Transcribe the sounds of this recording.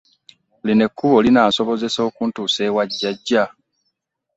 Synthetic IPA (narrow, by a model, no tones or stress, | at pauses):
line̞kʰːuβo̞linaːso̞βo̞ze̞so̞ːkuntuːse̞ːwaɟːaɟːa